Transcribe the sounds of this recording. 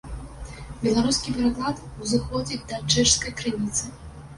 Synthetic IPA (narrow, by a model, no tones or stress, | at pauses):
bʲɛlˠaɾuskʲipʲɛɾaklˠat̪uzɨxɔd͡zʲid̪ɐt͡ʂɛʂskɐjkɾɨnʲit̪sɨ